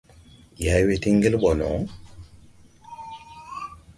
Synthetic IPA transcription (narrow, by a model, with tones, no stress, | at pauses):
ja˨jwe˨t̪i˦ŋɡi˦lɓɔ˨lɔ̰˨